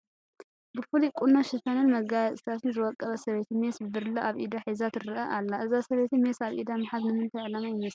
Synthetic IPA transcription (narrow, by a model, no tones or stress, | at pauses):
bɨfulikʼunoʃɪt̪ʰanɨnmɐɡajɐsʼt̪ʰat̪ʰɨnzɨwɔkʼːɐβɐsɐβet̪ʰimesbɨbɨɾloʔaβʔid̪aħizat̪ɨɾɨʔɐʔalːaʔɨzasɐβet̪imesaβʔḭd̪amɨħad̪nɨmɨnt̪ʰajʕɨlamajɪmɐs